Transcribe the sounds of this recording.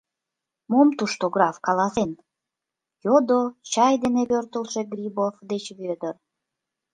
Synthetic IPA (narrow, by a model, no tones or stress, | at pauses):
momt̪uʃt̪oɡrɑfkɑlɑsen | jod̪ot͡ɕɑjd̪eneβørt̪əlʃe̽ɡrʲibofd̪et͡ɕβød̪ər